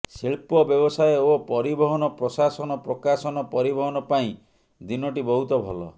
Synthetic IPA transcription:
siɭpɔbjɔbɔsajɔopɔɾibɔɦɔnɔpɾɔsasɔnɔpɾɔkasɔnɔpɔɾibɔɦɔnɔpaĩ | d̪inɔʈ̬ibɔɦut̪ɔbʱɔlɔ̰

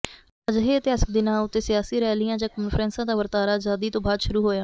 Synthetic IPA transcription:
əd͡ʒɦeːət̪ɪaːsək̚d̪ɪnãːʊt̪ːeːsɪjaːsiːɾɛːlɪjãːd͡ʒãːkɔːnfʰɾɛ̃ːnsãːd̪aːʋəɾt̪aːɾaːd͡ʒaːd̪iːt̪õːbaːd̪ʃʊɾuːɦoːjaː

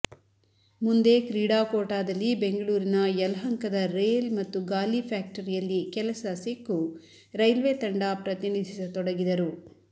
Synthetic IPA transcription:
mund̪e̞ːkɾiːɽaːkoːʈaːd̪ɐlːibe̞ŋɡɐɭuːɾinɐjɛlɐɦɐŋkɐd̪ɐɾeːlmɐt̪ːuɡaːlipʰaːk̚ʈɐɾijɐlːikɛlɐsɐsikːu | ɾɐjlʋeːt̪ɐɳɖaːpɾɐt̪inid̪ʱisɐt̪ɔɽɐɡid̪ɐɾu

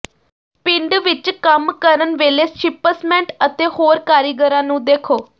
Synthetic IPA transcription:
pɪ̃ɳɖʋɪt͡ʃkəmkəɾənʋeːleːst͡ʃɪpəsmɛ̃ːɳʈət̪eːhoːɾkaːɾiɡəɾãːnũːd̪eːkʰoː

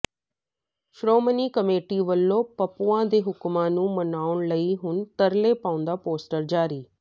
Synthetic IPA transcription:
ʃɾoːməniːkəmeːʈiːʋəlːõːpəpuãːd̪eːɦʊkmãːnũːmənaːʊɳləiːɦʊnt̪əɾleːpãːʊ̃nd̪aːpoːsʈəɾd͡ʒaːɾiː

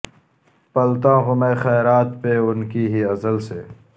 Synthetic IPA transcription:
pɐlt̪ãːɣʊmeːxɛːɾaːt̪peʊnkiɦiɐzəlseː

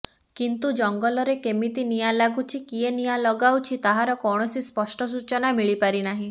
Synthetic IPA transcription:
kint̪ud͡ʒɔŋɡɔlɔɾekemit̪inijalaɡut͡ʃʰikienijalɔɡawt͡ʃʰit̪aɦaɾɔkɔɽ̃ɔsispɔsʈɔs̬ut͡ʃɔnamiɭipaɾinaɦĩ

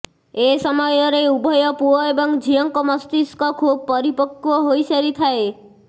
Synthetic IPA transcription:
esɔmɔjɔɾeubʱɔjɔpuɔebɔŋd͡ʒʱijɔŋkɔmɔst̪iskɔkʰub̚pɔɾipɔkːuɔɦojseɾit̪ʰae

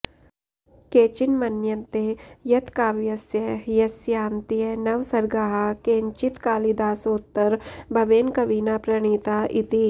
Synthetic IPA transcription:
keːt͡ʃinmɐnjɐnt̪eːjɐt̪kaːʋjɐsjɐɦjɐsjaːnt̪ijɐnɐʋsɐɾɡaːɦɐkeːɲt͡ʃit̪kaːlid̪aːsoːt̪ːɐɾbʱɐʋeːnkɐʋiːnaːpɾɐɳ̃iːt̪aːʔit̪i

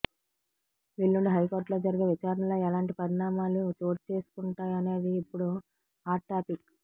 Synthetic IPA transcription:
ʋilːuɳɖiɦɐjko̞ːɾʈloːd͡ʒɐɾiɡeʋit͡ʃaːɾɐnɐlo̞ːɛlaːɳʈipɐɾiɳaːmaːlut͡ʃo̞ːɾt͡ʃe̞ːsu̥kuɳʈaːjɐne̞ːd̪iːpːuɽu | aːʈʈːaːpik

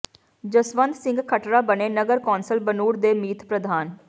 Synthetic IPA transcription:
d͡ʒəsʋənd̪sɪ̃ŋɡkʰəʈɾaːbəneːnəɡəɾkɔːnsəlbənuːɾd̪eːmiːt̪ʰpɾəd̪ʱaːn

